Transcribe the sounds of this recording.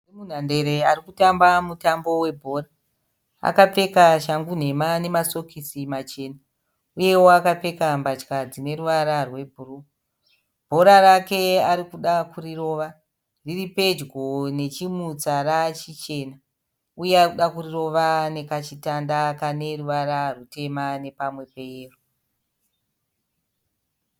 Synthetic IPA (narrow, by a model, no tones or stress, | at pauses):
mun̤ande̞ɾe̞arikutambamutambo̞we̞bʱo̞ːra | a̰kap͡fe̞kaʃaŋɡun̤e̞mane̞maso̞kʰisimat͡ʃe̞ːna | uje̞woakap͡fe̞kambat͡ʃkad͡zine̞ɾuʋaɾarwe̞bʱuru | b̥ʱo̞ɾaɾake̞aɾikuɗakuriro̞ːʋa | diripe̞d͡ʒɡo̞ne̞t͡ʃimut͡sarat͡ʃit͡ʃe̞ːna | ujearkuɗakuriro̞ʋane̞kat͡ʃitandakane̞ruʋaɾarute̞mane̞pamwe̞peːro